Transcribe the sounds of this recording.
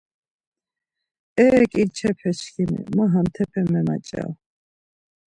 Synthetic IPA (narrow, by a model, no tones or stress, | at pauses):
ɛːkʼiɾt͡ʃʰɛpʰɛt͡ʃkʰimɛ̰maɦamt̪ʰɛpʰɛmːɛma̰t͡ʃʼɛ̰l